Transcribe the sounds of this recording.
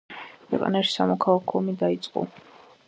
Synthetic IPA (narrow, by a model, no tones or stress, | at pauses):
kʰwɛ̰qʼa̰naʃi̥samɔkʰalˠakʰɔɔmid̪ait̪sʼqʼɔ̰